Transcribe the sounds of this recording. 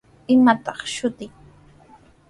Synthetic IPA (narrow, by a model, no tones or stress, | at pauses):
ɪmat̪ɑχʃʊt̪ɪŋ